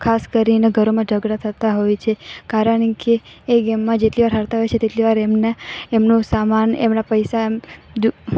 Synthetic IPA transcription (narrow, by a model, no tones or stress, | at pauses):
kʰaskəɾineɡʱəɾomãd͡ʒʱəɡɽat̪ʰət̪aɦojt͡ʃʰekaɾəɳkeː | ɡɛmːãd͡ʒeʈliʋaɾɦəɾt̪aɦojt͡ʃʰet̪eʈliʋaɾemneemnũsamanḛmnapəjsamd͡ʒ